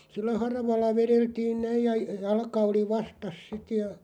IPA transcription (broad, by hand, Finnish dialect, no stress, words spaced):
silːæ hɑrɑʋɑlːɑ ʋereltiːn næij̆ jɑ jɑlkɑ oli ʋɑstɑs sit jɑ